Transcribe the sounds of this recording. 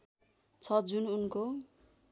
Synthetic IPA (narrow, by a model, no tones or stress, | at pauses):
t͡sʰʌd͡zununko